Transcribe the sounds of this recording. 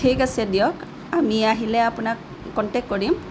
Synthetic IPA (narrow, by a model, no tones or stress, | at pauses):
ʈʰikasɛdijɔk | amiaɦilɛapʊnak | kɔnʈek̚kɔɹim